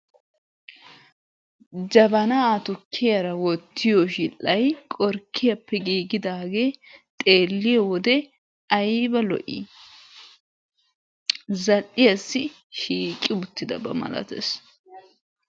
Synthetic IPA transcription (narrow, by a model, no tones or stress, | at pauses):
d͡ʒɐbɐnat̪ʊkʰːɪjɐɾɐwɔt̪ːɪjɔʃɪlːɐjkʼɔɾkʰːɪjɐpːɛɡiːɡɪd̪aːɡe̞ːt̪ʼe̞ːlːɪjɛwɔd̪ɛ | ɐjbɐlɔ̰ʔḭ | zɐlːɪjɐsːɪ | ʃiːkʼːɪbʊt̪ːɪd̪ɐ̰bɐ̰mɐ̰lɐ̰t̪ḛs